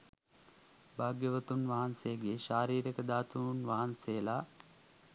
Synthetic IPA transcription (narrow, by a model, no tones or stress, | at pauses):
bʱaːɡjəʋət̪unʋɐɦansejɡeʃaːɾiːɾekəd̪aːt̪unʋaɦansejla